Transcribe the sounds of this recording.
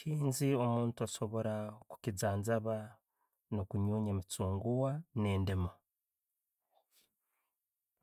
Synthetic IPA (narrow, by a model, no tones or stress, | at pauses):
ʃiːnzio̞muːntuaso̞βo̞ɾaku̥cizaːnzaβa | no̞kuɲuːɲemit͡suːŋɡuwane̞ːndema